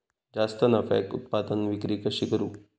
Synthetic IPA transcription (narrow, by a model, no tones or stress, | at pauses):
d͡ʒast̪ənafɛ̰kkṵt̪̚pad̪ənʋikɾikəʃikəɾuː